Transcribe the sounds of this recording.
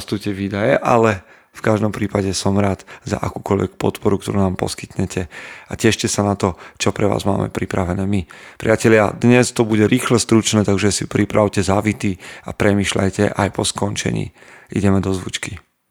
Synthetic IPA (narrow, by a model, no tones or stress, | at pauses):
st̪ucɛʋiːd̪ajɛʔalɛ | fkaʒd̪ɔmpɾiːpaɟɛsɔmɾaːd̪̥za̰ʔakuːkɔʎʋɛ̰kpɔ̰t̪pɔɾukt̪ɔɾuːnaːmpɔ̰ski̥t̪ɲɛcʰɛacɛʃcɛsanat̪ɔt͡ʃɔpɾɛʋa̰ːzma̰ːmɛ̰pɾipɾaʋɛnɛːmipɾḭacɛʎɪad̪ɲɛst̪ɔbuɟɛɾʔiːxlɛst̪ɾut͡ʃnɛːt̪aɡʒɛsipɾipɾʔaʊcɛzaʋit̪iːapɾɛmiːʃla̰jcɛʔajpɔskɔnt͡ʃɛ̰ɲḭː | ḭɟɛmɛd̪ɔzʋṵt͡ʃki